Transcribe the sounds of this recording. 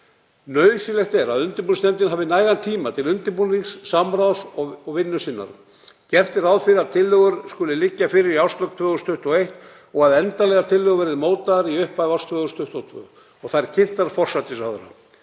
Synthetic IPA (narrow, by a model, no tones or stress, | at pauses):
nœːɥsɪlɛxt̪ɛɾaðʏnt̪ɪɾpunst̪ɛnt̪ɪnɦavɪnaːjðant̪ʰiːmat̪ʰɪlʏnt̪ɪpuniŋsːamɾawsɔɔɣvɪnːʏsɪnːa̰ɾ̥ | cɛr̥t̪ɪɾawðfɪɾaðt̪ʰɪlːœɣʏɾ̥skʏːlɪlɪcːafɪːɾɪɾiawrst̪lœk̚t̪ʰvœːɣʏst̪ʰʏht̪ɔejht̪ | ɔɣaðɛnt̪alɛɣaɾt̪ʰɪlːʏɣʏvɛːɾɪðmoːwt̪aɾiʏhpavawst̪ʰvœːɣʏst̪ʰʏht̪ɔt̪ʰvœ̰ː | ɔɣθajɾ̥cʰɪn̥t̪aɾ̥fɔr̥sat̪ɪsawðʏɾa̰